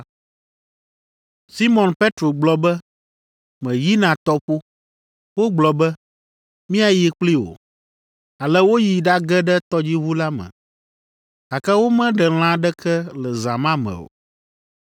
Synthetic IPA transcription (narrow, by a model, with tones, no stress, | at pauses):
si˦mɔ̃˨npe˦t̪ɾo˨ɡ͡blɔ˨bɛ˦ | mɛ̃˨ji˦nã˨t̪ɔ˦ɸo˦ | wo˦ɡ͡blɔ˨bɛ˦ | mĩ˦a˨ji˦k͡pli˦wo̰˨ | a˨lɛ˦wo˦ji˨ɖa˦ɡɛ˦ɖɛ˦t̪ɔ˦d͡ʑi˦βu˦la˦mɛ̰̃˨ | a˨kɛ˦wo˦mɛ̃˦ɖɛ˨l̃ã˦ɖɛ˦kʰɛ˦lɛ˨za˨mã˦mɛ̰̃˨o̰˨